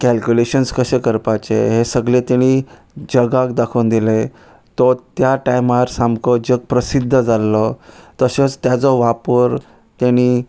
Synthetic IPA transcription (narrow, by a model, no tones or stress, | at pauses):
kælkʲuleɕənskəɕekəɾpat͡ɕḛɦesəɡlẽt̪aɽ̃i | d͡ʑəɡakd̪akʰənd̪ile | t̪ɔt̪jaʈajmaɾsamkɔd͡ʑəɡ̚pɾəsid̪ʱːəd͡zalːɔt̪əɕet͡st̪jat͡sɔʋapəɾ | t̪aɽ̃i